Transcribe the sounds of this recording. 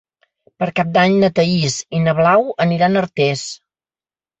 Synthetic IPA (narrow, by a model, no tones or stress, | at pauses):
pəɾkap̚d̪aɲnət̪əizinəβlawəniɾanəɾt̪es